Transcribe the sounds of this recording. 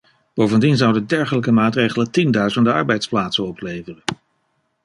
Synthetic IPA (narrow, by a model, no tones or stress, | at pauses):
b̥owvəndinzʌwdəndɛɹχələk̬əmaːtrejχələtindœɥzəndəɑ̰ɹbɛjtsplaːtsənɔplejvərən